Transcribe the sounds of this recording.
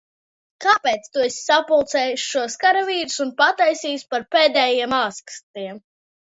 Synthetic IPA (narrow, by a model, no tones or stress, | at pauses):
kaːpeːt̪st̪uesʲsapulˠt̪sɛːjuʃʃuɔskaɾaviːɾu̥sunpat̪ajsiːuspaɾpeːd̪ɛːjiɛmaːskst̪iɛm